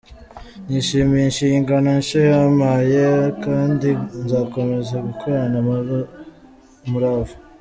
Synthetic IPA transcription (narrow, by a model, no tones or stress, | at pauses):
niʃiːmeinʃiːŋɡano̞nʃojamajekaːndinzaːko̞me̞zaɡukʰoɾana | muɾavu